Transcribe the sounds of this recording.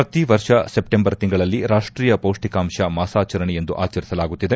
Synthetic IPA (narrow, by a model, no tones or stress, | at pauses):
pɾɐt̪iʋɐɾʂɐsepʈembɐɾt̪iŋɡɐɭɐlːiɾaːʂʈʈɾiːjɐpoːʂʈikaːmʂɐmaːsaːt͡ʃɐɾɐɳɛe̞nd̪uʔaːt͡ʃɐɾisɐlaːɡut̪ːid̪e̞